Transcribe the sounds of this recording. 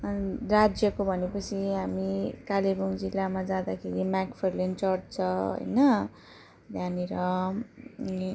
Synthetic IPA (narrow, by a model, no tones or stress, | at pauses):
rad͡zjʌkobʱʌnepʌt͡sʰiɦamikalebʌŋd͡zilːamad͡zãd̪akʰeɾimakpʰerlent͡sʌʈ̚t͡sʰʌ̃ɦʌ̰jnʌ | d̪ʱjaniɾʌ